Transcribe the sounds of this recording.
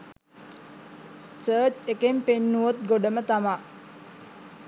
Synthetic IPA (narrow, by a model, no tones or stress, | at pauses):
səːt͡ʃekempenːuot̪̚ɡoɖəmət̪ama